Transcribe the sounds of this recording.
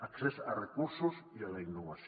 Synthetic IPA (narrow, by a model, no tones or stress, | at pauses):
aksesarekuɾsosialainːoβas